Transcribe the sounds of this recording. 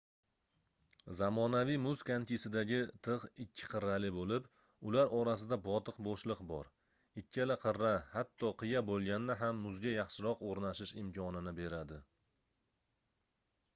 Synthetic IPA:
zamɒnavijmʊzkʰant̪ʰisɪd̪aɡʲɪt̪ʰɨʁɪkʲʰːɪ̥qʰɨɾːalɪbolɪp | ʊlaɾɒɾasɪd̪abɒt̪ʰɨqbɒʃlˠɨqbɒ̰ɾ | ɪkʲʰːalaqʰɨɾːahat̪ʰːɒqʰɨjabolˠɡʲannɪɦamːʊzɡʲajɑχʃɪɾɒqoɾnaʃɪʃɪmkʲʰɒnɪnɪbe̞ɾad̪ɪ

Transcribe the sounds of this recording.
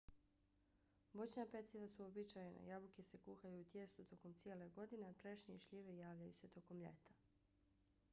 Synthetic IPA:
bot͡ɕnapet̪siʋasuobit͡ʃajena̰jabukese̞kuːxajuːt̪je̞st̪ut̪o̞ko̞mt̪sijeːleɡo̞d̪ineat̪ɾeʃɲeiʃʎiʋejaːʋʎajṵse̞t̪o̞ko̞mʎḛt̪ḁ

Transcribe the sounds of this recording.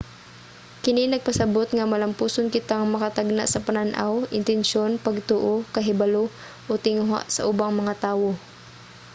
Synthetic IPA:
kɪninɐɡ̚pɐsɐbot̪ŋɐmɐlɐmpuːsonkɪt̪aŋmɐkɐt̪aɡ̚na̰ʔsɐpananʔa̰wɪnt̪ɛnʃo̞npɐɡ̚t̪oʔokɐɦɪbalo | ʔot̪ɪŋʊɦa̰ʔsɐ̰ʔʊbaŋmɐŋat̪aːwo̞

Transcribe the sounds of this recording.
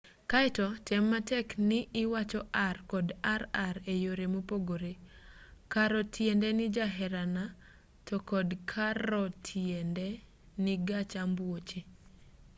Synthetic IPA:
kaɪtɔtɛmːatɛknɪʔɪwat͡ʃɔʔarkɔdaɾaɾejoɾemopoɡoɾe | kaɾɔtʰjɛndɛnɪd͡ʒaɦɛɾana | tɔkɔdkʰaɾɔtʰjɛnde | nɪɡat͡ʃambwot͡ʃe

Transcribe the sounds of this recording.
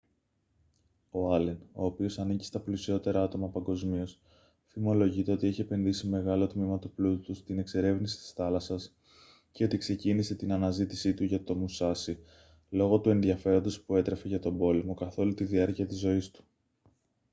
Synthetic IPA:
o̞ɐleno̞ːpio̞sɐnici̥st̪ɐplisio̞t̪e̞ɾɐɐt̪o̞mɐpɐŋɡo̞zmio̞s | θimo̞lo̞ʝit̪e̞o̞t̪ieçie̞pe̞nðisime̞ɣɐlo̞t̪mimɐt̪uplut̪ut̪ust̪ine̞kse̞ɾe̞vnisi̥t̪i̥sθɐlɐsɐs | ce̞o̞t̪ikse̞cinise̞t̪inɐnɐzit̪isit̪uʝɐt̪o̞musɐsi | lo̞ɣo̞t̪ue̞nðiɐfe̞ɾo̞nd̪o̞spue̞t̪ɾe̞fe̞ʝɐt̪o̞bo̞lemo̞kɐθo̞lut̪iðiɐɾciɐt̪izːo̞ist̪u̥

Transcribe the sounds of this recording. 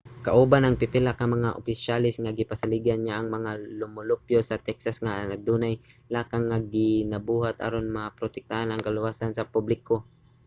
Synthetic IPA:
kaʔuːbanɐŋpɪpɛlakamɐŋaʔʊ̰pɪʃalɪsŋaɡɪpasalɪɡanɲaʔɐŋmɐŋalʊmʊlʊpjosɐt̪ɛksasŋanad̪uːnajlaːkaŋːaɡɪnɐbuːɦat̪a̰ɾonmapɾot̪ɛk̚t̪aʔanɐŋkalʊwasansɐpʊblɪko

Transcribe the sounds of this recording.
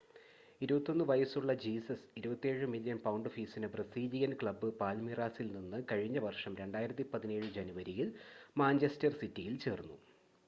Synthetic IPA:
iɾubɐt̪ːo̞nːɨʋɐjɐsuɭːɐd͡ʑiːsɐsiɾubɐt̪ːe̞ːɻɨmiljɐnpɐwɳɖɨfiːsinɨprɐsiːd͡ʑijɐnkɭɐbɨpaːlmiraːsilninːɨkɐɻiɲːɐʋɐrʂɐmɾe̞ɳɖaːjiɾɐt̪ːipɐðine̞ːɻɨd͡ʑenuʋɐɾijilmaːnd͡ʑestɐrsitːijilt͡ɕe̞ːrnːu

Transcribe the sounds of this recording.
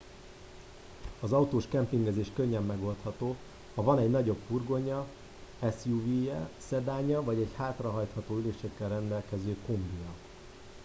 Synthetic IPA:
ɒzɒut̪oːʃkɛmpiŋɡɛzeːʃkøɲːɛmːɛɡo̞lt̪hɒt̪oː | hɒvɒnɛɟnɒɟo̞bfurɡo̞ɲɒ | ɛsjuvijɛsɛd̪aːɲɒvɒɟɛɟhaːt̪rɒɦɒjt̪hɒt̪oːyleːʃɛkːɛlrɛnd̪ɛlkɛzøːkombijɒ

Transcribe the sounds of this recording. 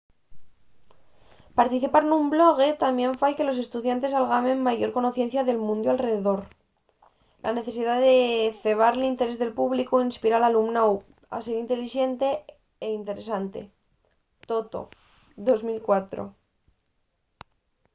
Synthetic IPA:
paɾt̪iθipaɾnumblo̞ɣ̞e̞t̪ambjẽ̞ɱfajke̞lo̞s̬e̞st̪uðjant̪e̞salɣamẽ̞mːaʝo̞ɾkono̞θje̞n̟θjaðe̞lmũnd̪oalre̞ðeðo̞ɾ | lʔa̰ne̞θe̞siðaðeθe̞β̞aɾlint̪e̞ɾe̞zðe̞lpuβlikoinspiɾalalumnaw | a̰se̞ɾint̪e̞liʃe̞nt̪e̞ | eint̪e̞ɾe̞sant̪e̞̰ | t̪o̞t̪o̞̰ | ðo̞zmilkwat̪ɾo̞̰

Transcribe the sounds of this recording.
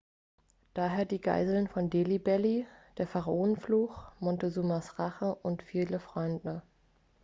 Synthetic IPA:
d̥aːɦeːɐdiːɡa̰ɪzl̩nfɔndeːlibɛlid̥eːɐfaʁaʔoːnənfluːxmɔntezuːmasʁaχəʔʊntfiːləfʁ̥ɔʏndnə

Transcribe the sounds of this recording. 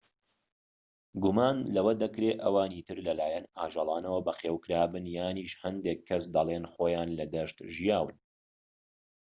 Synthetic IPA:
ɡumaːnlɐwɐd̪ɐkɾeːʔɐwaːniːt̪ɨɾlɐlaːjɛnaːʒɑlˠaːnɐwɐbɐxeːwkɨɾaːbɨnjaːniːʃhɐnd̪ekʰːɐsd̪ɐlˠenxoːjaːnlɐd̪ɐʃt̪ʒijaːwɨn

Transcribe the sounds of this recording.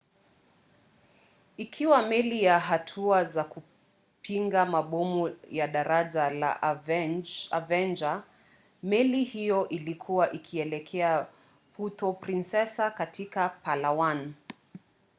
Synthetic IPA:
ikʰiwamɛlijaɦatʰuazaku | piŋɡamaɓɔmujaɗaɾaʄala̰ʔvɛa̰vɛnd͡ʒa | mɛlihijɔʔilikʰuwaʔikʰiɛlɛkʰɛa | putɔpɾinsɛsakatʰikapalawan

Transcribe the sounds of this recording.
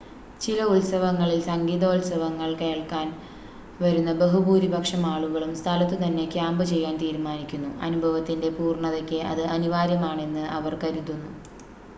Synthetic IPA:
t͡ɕilɐulsɐʋɐŋːɐɭilsɐŋɡiːðoːulsɐʋɐŋːɐɭke̞ːɭkaːn | ʋɐɾunːɐbɐɦubuːɾibʱɐkʂɐmaːɭuɣɐɭumst̪ʰɐlɐt̪ːɨt̪ɐnːe̞kʲjaːmbɨt͡ɕe̞jːaːnt̪iːɾumaːnikʲːunːuɐnubʱɐʋɐt̪ːinde̞puːrɳɐðokʲːɨʔɐ̰ðɨʔɐnuʋaːɾjɐmaːɳe̞nːɨɐʋɐrkɐɾuðunːu

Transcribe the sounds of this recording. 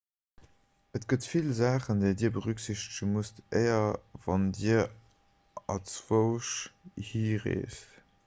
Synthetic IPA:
ətɡ̥ətfilzaːχəndeːdiːɐbəʁykz̥iɕtəʃənmustʔḛɪɐvɑndiːɐ | ɑt͡svoʊʃhiːʁḛːst

